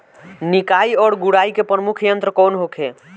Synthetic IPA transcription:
nikaiɔːɾɡuɽaikepɾəmukʰjənt̪ɾəkɔːnɦokʰe

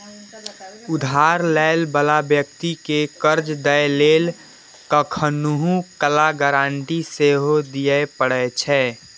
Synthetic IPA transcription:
ʊd̪ʱaːɾlɛɪlbəlabjəkt̪ikekəɾd͡ʒd̪əjleːl | kəkʰənuɦũkəlaɡəɾãːɳʈiseɦod̪ijəpəɽɛt͡ʃʰɛ

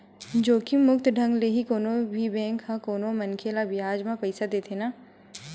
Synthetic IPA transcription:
d͡ʒoːkimʊkt̪ɖʱɐ̃ŋɡleɦikoːnobʱibɛ̃ːŋkɦãkoːnomɐnkʰelabɪaːd͡ʒmãpɐɪsad̪eːt̪ʰenaː

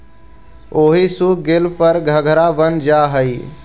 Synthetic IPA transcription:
oːɦisuɡɪlpəɾɡʱɐɡʱəɾaʋənd͡ʒaːɦəi

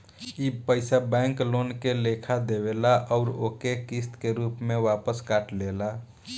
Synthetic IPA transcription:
ipəɪsabɛ̃ŋkloːnkelekʰad̪ewelaʔɔʊɾo̰kekist̪keɾuːpmẽʋapəskaʈlela

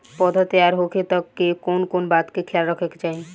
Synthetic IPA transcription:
pɔːd̪ʱat̪əjaːɾɦoːket̪əkːekoːnkoːnbaːt̪kekʰjaːlɾəkʰekt͡ʃaːɦe

